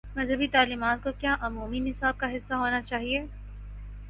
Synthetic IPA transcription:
mɐzɦəbit̪aːliːmaːt̪̚kokjaːʔʊmuːminɪsaːb̚kaɦɪsːaɦoːnat͡ʃaːɦieː

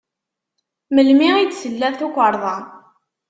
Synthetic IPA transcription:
məlmiʁit͡sːsəlːæðθukʷːəɾˤðˤɑn

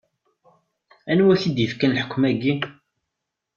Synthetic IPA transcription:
ænwæçid̪jifkænlħə̥kʷːmæɡːi

